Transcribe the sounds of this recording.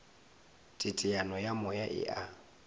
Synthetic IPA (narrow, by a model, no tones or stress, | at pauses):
tʼɪtʼɪanɔjamʊjaʔɪ̰ʔa